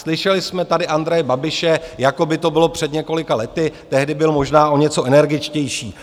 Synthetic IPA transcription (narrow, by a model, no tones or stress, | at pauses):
slɪʃɛlɪsmɛt̪adɪʔand̪ɾɛjɛbabɪʃɛjako̞bɪt̪o̞bɪlo̞pr̥ɛd̪ɲɛko̞lɪkalɛt̪ɪt̪ɛɦdɪbɪlmo̞ʒnaːʔo̞ɲɛt͡so̞ʔɛnɛɾɡɪt͡ʃcɛjʃiː